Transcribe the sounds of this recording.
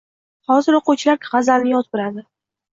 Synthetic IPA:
hɒzɪɾoqot͡ʃʰlaɾkʲʰʁɑzalnɪjɒt̪̚bɪɾad̪ɪ

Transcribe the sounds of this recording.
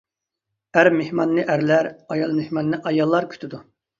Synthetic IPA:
æɾmehmɑnːɨʔæɾlæɾɑjɑlˠmehmɑnːɨʔɑjɑlˠːɑɾkʲʰy̥t̪ʰɪd̪u

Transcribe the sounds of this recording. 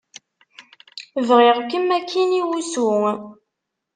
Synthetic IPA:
vʁɪʁkːəmːækʰːiniwusu

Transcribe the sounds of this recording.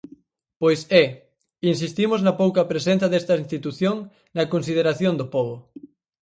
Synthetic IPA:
pojsɛ | ins̬ist̪imʊznɐpowkɐpɾesẽnθɐðest̪ɐinst̪it̪uθjoŋ | nɐkonsið̞eɾaθjond̪opɔβo

